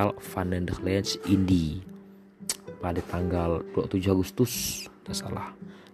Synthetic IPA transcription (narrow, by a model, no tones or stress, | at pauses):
alfanɛndərlɛnsindi | padat̪aŋɡaldua̰ʔt̪ud͡ʒuhaɡust̪ʊsdasa̰la̰h